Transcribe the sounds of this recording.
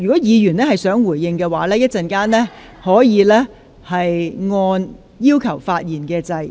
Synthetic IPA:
y˨˩kɔː˨˥jiː˨˧jyː˨˩nɛː˥hɐ˨jsœː˨˥ŋwuː˨˩jːɪ˨˧ŋkɛː˧waː˨˥lɛː˥jɐ˥t̚t͡sɐ˨nkaː˥nlɛː˥ | hɔː˨˥jiː˨˧lɛː˥ | hɐ˨jŋɔː˧n | jiː˥wkʰɐ˨˩wfaː˧t̚jiː˨˩nkɛː˧t͡sɐ˧j

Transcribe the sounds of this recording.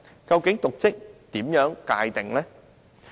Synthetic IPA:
ka˧wke˨˥ŋt̪ʊ˨˩k͡p̚t͡ɕə˦˥k̚t̪i˨˩˦mɲœː˨˥ŋka̰ː˧˩jt̪ɪ̰˨˩ŋlɛ˨˦˥

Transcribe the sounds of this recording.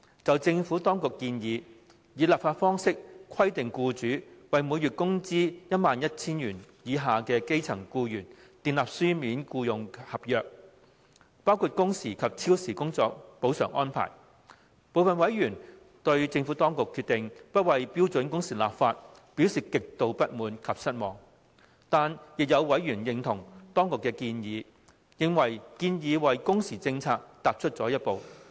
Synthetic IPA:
t͡sɐ˨wt͡sɪ˧ŋfuː˨˥t̪ɔː˥ŋkʊ˨kːiː˧njiː˨˧ | jiː˨˧laː˨pfaː˧t̚fɔː˥ŋsɪ˥k̚kʰɐ˥jt̪ɪ˨ŋkuː˧t͡ʃyː˨˥wɐ˨jmuː˨˧jyː˨˩t̚kʊ˥ŋt͡siː˥jɐ˥t̚maː˨njɐ˥t̚t͡sʰiː˥njyː˨˩njiː˨˧ɦaː˨kɛː˧ke˥jt͡sʰɐ˨˩ŋkuː˧jyː˨˩nt̪iː˨nlaː˨p̚syː˥miː˨˥nkuː˧jʊ˨ŋhɐ˨p̚jœː˨k̚ | paː˥wkʰuː˨˧t̚kʊ˥ŋsiː˨˩kʰɐ˨p̚t͡sʰiː˥wsiː˨˩kʊ˥ŋt͡sɔː˧k̚po˨˥wsœ̰ː˨˩ŋʔɔː˥npʰa̰ː˨˩j | po˨˧wfɐ˨nwɐ˨˥jɥyː˨˩n | t̪ɵ˧ɥt͡sɪ˧ŋfuː˨˥t̪ɔː˥ŋkʊ˨kʰːyː˧t̪ɪ˨ŋpɐ˥t̚wɐ˨jpiː˥wt͡sɵ˨˥nkʊ˥ŋsiː˨˩la̰ː˨˩pfaː˧t̚ | piː˨˥wsiː˨kɪ˨k̚t̪o˧wpɐ˥t̚muː˨˥nkʰɐ˨p̚sɐ˥t̚mɔː˨ŋ | t̪aː˨njɪ˨k̚jɐ˨˧wwɐ˨˥jɥyː˨˩njɪ˨ŋt̪ʰʊ˨˩ŋt̪ɔː˥ŋkʊ˨kːɛː˧kiː˧njiː˨˧ | jɪ˧ŋwɐ˨˩jkiː˧njiː˨˧wɐ˨jkʊ˥ŋsiː˨˩t͡sɪ˧ŋt͡sʰaː˧k̚t̪aː˨p̚t͡ʃʰɵ˥t̚t͡sɔː˨˥jɐ˥t̚po˨˧w

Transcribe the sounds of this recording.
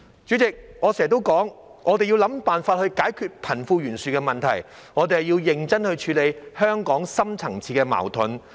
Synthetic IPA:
t͡ʃy˨˥t͡sɪ˨k̚ŋɔː˨˧sɛː˨˩ɛ˨kt̪̬wkɔː˨˥ŋʔɔː˨˧t̪e˨jiː˧wlɐ˨˥mpaː˨nfaː˧t̚hɵ˧ɥkaː˨˥jkʰyː˧t̚pʰɐ˨˩nfuː˧jyː˨˩nsyː˨kɛː˧mɐ˨nt̪ʰɐ˨˩j | ŋɔː˨˧t̪e˨hjiː˧wjɪ˨ŋt͡sɐ˥nhɵ˧t͡ʃʰyː˨˧le˨˧jhœː˥ŋkɔː˨˥ŋsɐ˥mt͡sʰɐ˨˩ŋt͡sʰiː˧˩kɛː˧ma̰ː˨˩wt̪ʰʊ˨˥n

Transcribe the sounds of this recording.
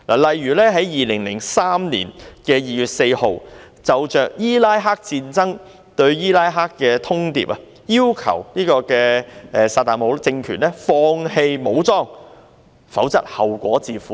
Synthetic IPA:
laː˨˩lɐ˨jːyː˨˩lɛː˥ɦɐ˨˥jjiː˨lɪ˨˩ŋlɪ˨˩ŋsaː˥mniː˨˩nkɛː˧jiː˨jyː˨t̚se˧jho˨w | t͡sɐ˨wt͡ʃœː˨k̚jiː˥laː˥jɦaː˥k̚t͡siː˧nt͡sɐ˥ŋ | t̪ɵ˧ɥjiː˥laː˥jɦaː˥kːɛː˧t̪ʰʊ˥ŋt̪ḭː˨˧p̚ɐ˨ | jiː˥wkʰɐ̰˨˩wniː˥kɔː˧kɛː˧ʔɛː˨saː˧t̪aː˨nmo˨˧˥wt͡sɪ˧ŋkʰyː˨˩nlɛː˥fɔː˧ŋhe˧jmo˨˧˥wt͡sɔː˥ŋ | fɐ˨˥wt͡sɐ˥t̚hɐ˨˩wkʷɔː˨˥t͡siː˨˧fuː˨˦

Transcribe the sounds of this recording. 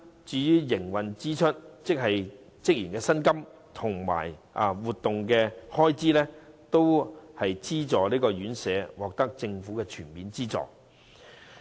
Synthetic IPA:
t͡ʃyː˨˧jyː˥jɪ˨˩ŋwɐ˨nt͡siː˥t͡ʃʰɵ˥t̚t͡sɪ˥k̚ɦɐ˨j | t͡sɪ˥k̚jiː˨˩nkɛː˧sɐ˥nkɐ˥m | t̪ʰʊ˨˩ŋma̰ː˨˩jʔɐ˨wuː˨t̪ːʊ˨ŋkɛː˧hɔː˥jt͡siː˥lɛː˥t̪o˥whɐ˨jt͡siː˥t͡sɔː˨liː˥kɔː˧jyː˨˥nsɛː˨˧wɔː˨k̚t̪ɐ˥k̚t͡sɪ˧ŋfuː˨˥kɛː˧t͡ʃʰyː˨˩nmiː˨˧nt͡siː˥t͡sɔ̰ː˨˩

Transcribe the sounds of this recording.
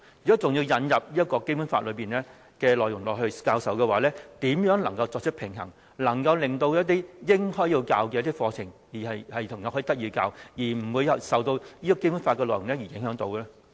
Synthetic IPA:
jy˨˩kɔ˨˥t͡sʊ˨ŋji˧wjɐ˨˧njɐ˨p̚jiː˥t̚kɔː˧ke˥jpu˨˥nfaː˧t̚lɵ˨˧ɥpiː˨˩nɛː˥ | kɛː˧lɔː˨jʊ˨˩ŋlɔː˨k̚hɵ˧ɥkaː˧wsɐ˨˥wkɛ˧waː˨˥lɛː˥t̪iː˨˥mjœː˨˥ŋlɐ˨˩ŋkɐ˧wt͡sɔ˧k̚t͡ʃʰɵ˥pʰɪ˨˩ŋɦɐ̰˨˩ŋ | lɐ˨˩ŋkɐ˧wlɪ˨ŋt̪o˧wjɐ˥t̚t̪̬iː˥jɪ˥ŋhɔː˥ji˧wkaː˧wkɛː˧jɐ˥t̪iː˥k̚fɔː˧t͡sʰɪ˨˩ŋjiː˨˩hɐ˨jhɐ˨jt̪ʰʊ˨˩ŋjɔː˨˥hɔ˧˥˨t̪k̚jiː˧ka̰ː˧wjiː˨˩m̩˨˩wuː˨˧jɐ˨sɐ˨wt̪o˧wjiː˥kɔ˧ke˥jpu˨˥nfa˧kːɛː˧lɔː˨jʊ˨˩ŋlɛː˥ji˨˩jɪ˨˥ŋɦœː˨˥ŋt̪o˧wɛ˧

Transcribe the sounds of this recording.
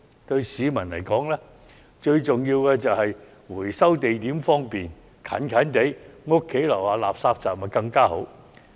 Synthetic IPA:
t̪ɵ˧ɥsiː˨˧mɐ˨˩nlɐ˨˩jkɔː˨˥ŋlɛː˥ | t͡ʃɵ˧ɥt͡sʊ˨ŋjiː˧wkɛː˧t͡sɐ˨whɐ˨j | wuː˨˩jsɐ˥wt̪e˨jt̪iː˨˥mfɔː˥ŋpiː˨˩n | kʰɐ̰˨˥nkʰɐ˨˥nt̪e˨˥jŋʊ˥kʰːe˨˥jlɐ˨˩waː˨˧laː˨p̚saː˧p̚t͡saː˨˩mɐ˨˩kɐ˧ŋkaː˥ho˨˧˥w

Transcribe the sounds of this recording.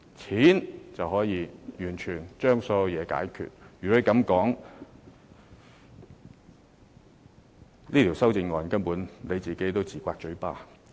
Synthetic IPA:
t͡sʰiː˨˥nt͡sɐ˨whɔː˨˥jiː˨˧jyː˨˩nt͡ʃʰyː˨˩nt͡ʃœː˥ŋsɔː˧˥jɐ˨˧wjɛː˨˧ka̰ː˨˥jkʰy̰ː˨˩t̚jyː˨˩ɔ˨˥e˧kɐ˨˥mkɔː˨˥ŋ | liː˥t̪ʰi˨˩wsɐ˥wt͡sɪ˧ŋŋɔː˨˧nkɐ˥npuː˨˥nle˨˧jt͡siː˨˩ke˨˥jt̪o˥wt͡siː˨˩kʷaː˧k̚t͡ʃɵ˨˧˥pa̰ː˥

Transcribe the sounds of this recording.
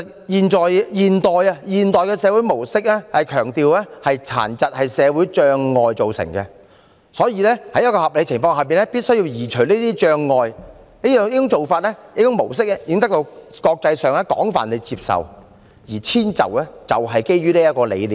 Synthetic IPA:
jiː˨nt͡ʃɔː˨jjiː˨˩nt̪ɔː˨jɐ˧jiː˨nt̪ɔː˨jkɛː˧sɛː˨˧wuː˨˥jmo˨˩wsɪ˥k̚ɛː˥hɐ˨jkʰœː˨˩ŋt̪iː˨˧wlɛː˥hɐ˨jt͡sʰa̰ː˨˩nt͡sɐ˨t̚hɐ˨jsɛː˨˧wuː˨˥jt͡ʃœː˧ŋːɔː˨jt͡so˨wsɪ̰˨˩ŋkɛ˧ | sɔː˨˥jiː˧lɛː˥hɐ˨˥jɐ˥tkɔː˧hɐ˨p̚le˨˧˥t͡sʰɪ˨˩ŋfɔː˧ŋhɐ˨wp̬iː˨nlɛː˥piː˥t̚sɵ˥ɥji˧wjiː˨˩t͡ʃʰɵ˨˩ɥniː˥t̪iː˥t͡ʃœː˧ŋːɔː˨j | ne˥˧ɪ˥ɪ˥ŋt͡ʃo˨wfaː˧t̚lɛː˥jɪ˧˥kʊ˥ŋmo˨˩wsɪ˥k̚ɛ˥jɪ˧kɪ˥ŋt̪ɐ˥k̚t̪o˧wkɔː˧k̚t͡sɐ˧jsœː˨ŋɛː˥kɔ̰ː˨˥ŋfa̰ː˨˩nle˨˧jt͡si˧p̚sɐ̰˨w | jiː˨˩t͡sʰiː˥nt͡sɐ̰˨˩wɛː˥t͡sɐ˨wɦɐ˨jke˥jɥyː˥liː˥jɐ˥tkɔː˧lḛ˨˧jliː˨

